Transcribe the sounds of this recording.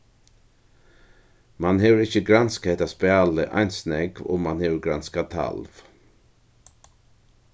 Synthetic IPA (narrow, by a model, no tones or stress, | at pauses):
mɑnheːʋəɾɪçəɡɾanskɛt̪aspɛɑːləʔɑ̰ɪnsnɛɡo̰ːmɑnheːʋəɡɾanskat̪ʰa̰lʋ